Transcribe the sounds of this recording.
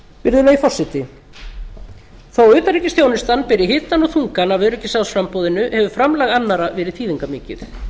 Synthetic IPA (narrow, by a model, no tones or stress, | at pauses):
vɪɾðʏaifɔr̥sɪt̪ɪ | θawʏːt̪aɾiːcɪsθʰjoːwnɪst̪anpɪɾɪɦɪːt̪anɔɣθuŋkanavœːɾʏcɪsawsfɾampoːwðɪnʏhɛvʏfɾamlaːɣanːaɾavɛːɾɪθʰiːðiŋkamɪːcɪθ